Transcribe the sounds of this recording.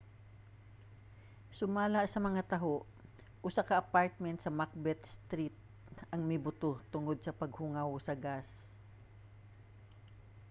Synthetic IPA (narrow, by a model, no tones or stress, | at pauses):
sʊmaːlɐʔsɐmɐŋat̪ɐɦoʔ | ʔʊsakɐʔɐpaɹt̪̚mɛnt̪sɐmak̚bɛt̪̚st̪ɾit̪̚ | ɐŋmɪbʊt̪ot̪ʊŋod̪̚sɐpɐɡ̚hʊŋawsɐɡas